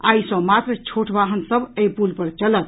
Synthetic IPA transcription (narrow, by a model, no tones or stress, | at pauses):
a̰isə̃mat̪ɾət͡ʃʰoʈʰbaɦənsəbeipulpəɾt͡ʃələt̪̚